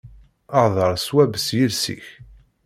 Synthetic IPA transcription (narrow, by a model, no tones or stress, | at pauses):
əʕðˤəɾˤswæbəsjəlsḭç